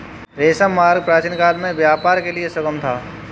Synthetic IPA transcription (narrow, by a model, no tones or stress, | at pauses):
ɾeːsamaːɾɡ̚pɾaːt͡ʃinkaːlmẽʋjaːpaːɾkeliesɐkəmt̪ʰaː